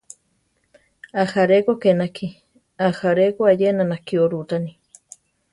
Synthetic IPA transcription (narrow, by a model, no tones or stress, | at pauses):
ahaɾekokenakʰi | ahaɾekoajenanakioɾut̪ani